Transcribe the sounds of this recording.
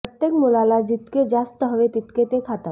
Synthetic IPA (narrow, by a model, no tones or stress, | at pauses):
ət̪jekmulalad͡ʑit̪ked͡zast̪əɦəʋet̪it̪ket̪ekʰat̪a